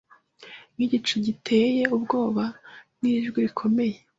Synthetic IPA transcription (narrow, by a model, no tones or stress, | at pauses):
ŋ̥iɟit͡ʃuɟitʰe̞ːje̞ubɡo̞ːβaniːʒɡiɾikʰo̞me̞je̞